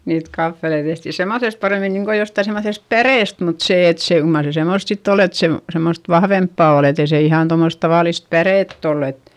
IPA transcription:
niːt kɑfːelei tehti semːoθest pɑreˑmin niŋko jostɑi semːoθest pæreˑst mut seˑ et se kyl mɑr se semoˑst sitː ol et se semːost ʋɑhʋempːɑˑ ol etei se ihɑn tomːos tɑʋɑˑlist pæreˑtː olː et

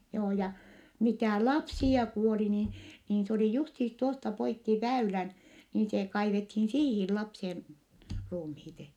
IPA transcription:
joː jɑ mitæˑ lɑpsiɑ kuoli ni niːn s oli justiːs tuostɑ poikːi ʋæylæn niːn se kɑiʋethiːn siːhi lɑpsien ruːmhiːt

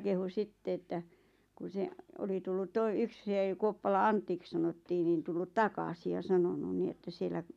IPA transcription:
kehu sitːe etːæ ku se oli tulːut toi yk se kuopːɑlɑ ɑntːik sɑnotːiː nin tulːut tɑkɑsi jɑ sɑnonu ni etːæ sielːæ

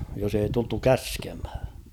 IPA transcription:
jos ei tultu kæskemhæ̥

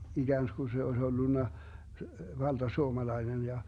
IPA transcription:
iɡ̊æːnsku se oes olːunːɑ ʋɑld̥ɑsuomɑlɑinen jɑ

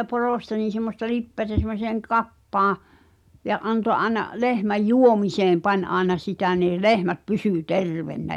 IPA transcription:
poroˑstɑ niːn̞ semːostɑ lipːeætæ semˑoseːŋ kɑpːɑːɑ̃ jɑ ʔɑnto ʔɑenɑ lehmæj juomiseːm pɑnʲ ʔɑenɑ sitæ ni̞ː lehmæt pysyˑ terʋenːæ

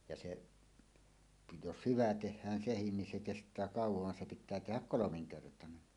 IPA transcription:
jɑ seʔ jos hyʋæ tehˑæːn sehin nin se kestˑæː kɑˑuwoʋ ʋɑn se pitˑæː tehæk kolomiŋkertɑnen

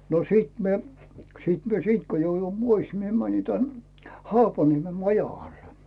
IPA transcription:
no siˑt mie siˑt mie siːnt ko joujui pois mie mæni tæn hɑːpɑnieme mɑjɑɡ̊ɑl

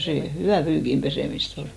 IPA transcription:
seˑ hyʋæˑ pyːkim peseˑmist ol

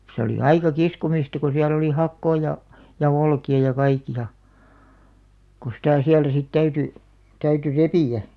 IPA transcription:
se oli ɑikɑ kiskomistɑ ko siæl oli hɑkːoː jɑ jɑ olkiɑ jɑ kɑikiɑ ko sitæˑ siæltæ sit tæyty tæyty repiˑæ

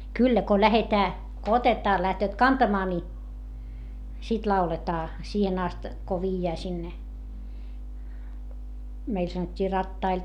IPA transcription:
kylːæ ko læhetæː ko otetɑː læhtøːt kɑntɑmɑː ni sit lɑuletɑː siːhen ɑst ko ʋiːjːæː sinːe meil sɑnotʲːiː rɑtːɑil

